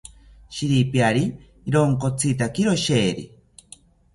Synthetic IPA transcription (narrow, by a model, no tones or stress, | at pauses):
ʃiɾipjaɾiː | ɾoŋkot͡sʰit̪akiɾoʃeːɾḭ